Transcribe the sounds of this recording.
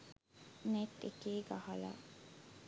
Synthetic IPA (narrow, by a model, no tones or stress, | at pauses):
net̪ːekeːɡahɐla̰ː